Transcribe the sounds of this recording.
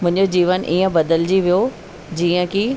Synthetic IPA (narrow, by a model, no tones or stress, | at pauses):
mʊ̃ɦɪ̃ɲd͡ʑod͡ʑiːʋənʔiːə̃bɐd̪əld͡ʑiʋijo | d͡ʑiːə̃ki